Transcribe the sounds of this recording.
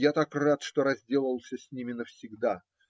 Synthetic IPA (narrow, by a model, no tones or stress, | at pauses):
jat̪akrat̪ʂt̪o̞ɾɐzʲdʲe̞lˠəlˠsʲəsʲnʲimʲɪnəfsʲɪɡd̪a